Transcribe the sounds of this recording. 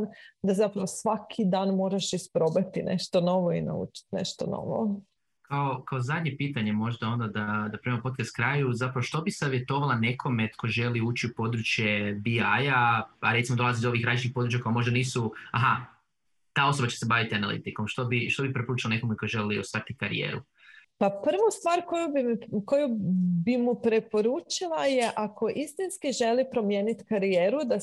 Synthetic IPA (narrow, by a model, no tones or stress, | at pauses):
d̪azapɾɐʋosʋakʰid̪aːnmoɾaʃispɾobat̪inḛʃt̪ono̞ʋoina̰ṵt͡ʃi̥t̪nḛʃt̪ono̰ʋo̰ | kao̞kao̞zad̪ɲe̞piːt̪aɲemo̞ʒd̪ao̞nd̪ad̪ad̪apɾiːemopo̞t̪̚kast̪kɾaːjuzapɾaoʃt̪o̞bisaʋje̞t̪o̞ʋalˠane̞kʰo̞mekʰo̞ʒe̞liuːt͡ʃiupo̞d̪ɾut͡ʃje̞biajaaɾet̪simo̞d̪o̞lˠazid̪o̞ʋiːxɾant͡ʃnipod̪ɾut͡ʃjako̞jamo̞ʒd̪aniːsuaɦa | t̪aːo̞sobat͡ɕt͡ʃesebaʋit̪ianalˠḭt̪iko̞mʃt̪o̞biʃt̪obipɾe̞po̞ɾuːt͡ʃilanekomeko̞jʒe̞liusat̪ikaɾḭjḛːɾṵ | papr̩ʋost̪ʋaːɾkojubimkojubimupɾepo̞ɾuːt͡ʃilˠajeʔakʰo̞ʔist̪inskiʒe̞lipɾo̞mjeːnit̪kaɾijeːɾud̪a